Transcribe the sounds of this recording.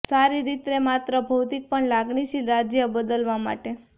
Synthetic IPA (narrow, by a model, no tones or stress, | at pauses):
saɾiɾit̪ɾemat̪ɾəbʱəwt̪ik̚pəɳlaɡɳiʃiɾad͡ʒjəbəd̪əlʋama̰ʈe